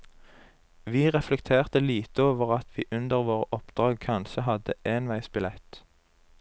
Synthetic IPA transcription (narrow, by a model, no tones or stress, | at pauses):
ʋiːʁɛflɛkt̪ʰeːʁt̪əliːt̪əoːʋəʁɑt̪ʰʋiːʔʉnd̪əʁʋoːʁəʔɔpd̪ʁɑːɡ̚kʰɑnʃəɦɑd̪əʔeːnʋæɪsbɪlɛt̪